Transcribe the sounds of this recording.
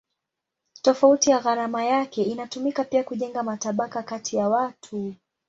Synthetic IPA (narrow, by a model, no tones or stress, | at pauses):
tɔfautijaɣaɾamajakɛinatumikapiakuʄɛŋɡamataɓakakatʰijawatʰu